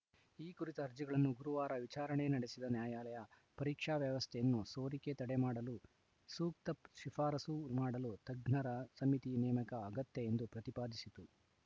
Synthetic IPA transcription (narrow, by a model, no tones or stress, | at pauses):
iːkuɾit̪ɐɐɾd͡ʒɐɡɐɭɐnːuɡuɾuʋaːɾɐʋit͡ʃaːɾɐɳenɐɽesid̪ɐnjaːjaːlɐjɐ | pɐɾiːkʂaːʋjɐʋɐst̪ʰɛjɐnːuso̞ːɾiket̪ɐɽemaːɽɐlu | suːk̚t̪ɐʃifʰaːɾɐsumaːɽɐlut̪ɐɡɳɐɾɐsɐmit̪inɛːmɐkɐːɡɐt̪jɐend̪upɾɐt̪ipaːd̪isit̪u